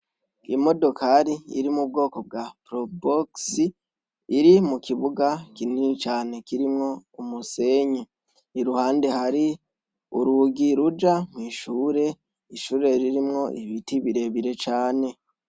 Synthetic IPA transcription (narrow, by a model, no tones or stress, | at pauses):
imo̞do̞kʰaɾiḭɾimub̚ɡo̞ːko̞b̚ɡapɾoboksiː | ɾimukʰiβuɡakiniit͡ʃaːne̞kiɾimŋo̞umuse̞ɲe | iɾuhaːnde̞haɾi | uɾuɡiɾud͡ʒamŋiːʃuːɾe̞ | iʃuːɾe̞ɾiɾimŋo̞ʔiβitiβiɾe̞βiɾe̞t͡ʃaːne̞